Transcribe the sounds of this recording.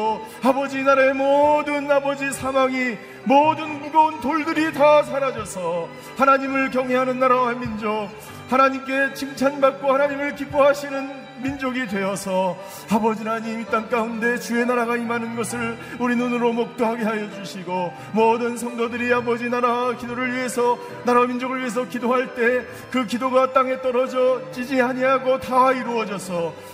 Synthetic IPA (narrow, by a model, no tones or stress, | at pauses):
abʌd͡ʑinaɾaemʌdɯnabʌd͡ʑisʰamaŋi | mʌdɯnuɡountoɭdɯɾitasʰaɾad͡ʑʌsʰʌ | hanaɲimɯɭkjʌŋɦeɦanɯnːaɾaɦamind͡ʑok̚ | hanaɲimk͈e̞t͡ɕʰimt͡ɕʰanbak̚k͈ohanaɲimɯɭkip͈oɦaɕʰinɯn | mind͡ʑoɡidwe̞jʌsʰʌ | abʌd͡ʑiɾaɲimit͈ank͈aunde̞t͡ɕue̞naɾaɣaimanɯnɡʌsʰɯɭ | uɾinunɯɾomʌk̚t͈oɦaɡe̞ɦajʌd͡ʑuɕʰiɡo | mʌdɯnsʰʌŋdodɯɾiabʌd͡ʑinaɾakidoɾɯɭɥiɦe̞sʰʌ | naɾamind͡ʑoɡɯɭɥiɦe̞s̬ʰʌkidoɦaɭt͈e̞ | kɯkidoɡat͈aŋe̞t͈ʌɾʌd͡ʑʌt͡ɕ͈id͡ʑiɦaɲiɦaɡotaiɾuʌd͡ʑʌsʰʌ